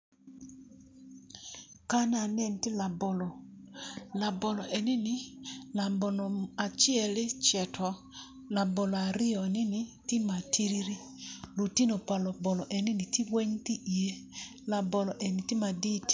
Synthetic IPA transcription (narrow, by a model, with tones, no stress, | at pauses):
ka˦n˦a˨nɛ˦˨n˨tɪ˦la˨bɔ˨lɔ˨ | la˨bɔ˨lɔ˨ʔɛ˨nɪ˦nɪ˨la˨mbɔ˨nɔ˨a˨t͡ʃɪ˦ɛ˨lɪ˦t͡ʃɛ˨tʰɔ˨ | la˨bɔ˨lɔ˨a˨ɾɪ˦ɔ˨nɪ˦nɪ˨tɪ˦ma˨tʰi˦ɾi˦ɾi˦ | lu˨ti˦no˨pa˨lɔ˨bɔ˨lɔ˨ʔɛ˨nɪ˦ni˨ti˦wɛ˦ɲ˦ti˦ʔi˨e˦ | la˨bɔ˨lɔ˨ʔɛ˨nɪ˨tɪ˦ma˨di˦ti̥˨